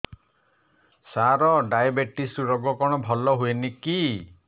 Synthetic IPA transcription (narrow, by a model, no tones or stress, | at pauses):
saɾɔɖajabeʈisuɾɔɡɔkɔɽ̃ɔbʱɔlɔɦueniki